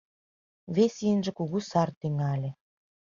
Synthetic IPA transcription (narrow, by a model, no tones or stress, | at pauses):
vʲesʲiənʒĕkuɣusɑrt̪eŋɑlʲĕ